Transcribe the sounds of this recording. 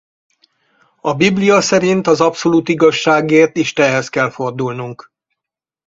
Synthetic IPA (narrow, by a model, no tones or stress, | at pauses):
ɒbiblijɒsɛɾint̪ɒzɒpso̞luːt̪iɡɒʃːaːɡeːrt̪iʃt̪ɛnɦɛskɛlfo̞rd̪ulnuŋk